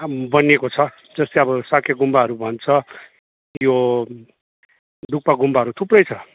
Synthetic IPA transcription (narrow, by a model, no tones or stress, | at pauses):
bʌnekot͡sʰʌ | d͡zʌst̪eʌbʌsakʰjeɡumbaɦʌɾubʱʌnt͡sʰʌ | jo | d̪uk̚paɡumbaɦʌɾut̪ʰuprʌjt͡sʰʌ